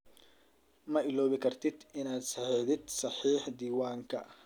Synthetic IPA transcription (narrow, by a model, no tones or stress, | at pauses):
mɐɪlɔːβɪkʰɐrt̪ʰɪd̪ɪnaːd̪sɑħeðɪd̪sɑħiːħd̪iːwaːŋkʰɐ